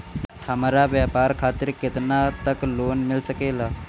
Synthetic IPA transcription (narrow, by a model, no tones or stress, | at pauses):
hɐmɾaʋjaːpaːɾkʰaːt̪ɪɾkɪt̪nat̪əkloːnmɪlsəkeːlaː